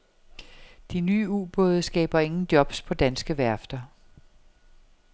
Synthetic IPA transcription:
d̥inyːṵːb̥ɔ̽ðˠsɡ̥ɛ̰ːb̥ɐe̝ŋn̩d̥jɒ̽b̥spʰɒ̽d̥ænsɡ̥əʋæɐfd̥ɐ

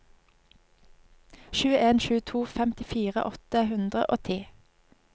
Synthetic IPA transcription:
ʃʉːəeːnʃʉːt̪ʰuːfɛmt̪ɪfiːʁə̰ʔɔt̪əhʉnd̪ʁəʔo̰ːt̪ʰeː

